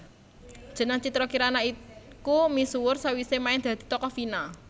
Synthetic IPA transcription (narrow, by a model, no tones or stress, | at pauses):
d̥ʒ̥ə̤nəŋt͡ʃit̪ɾɔkiɾanaikumisuwʊrsawisemaɪŋd̪̥a̤d̪̥i̤t̪ɔkɔfina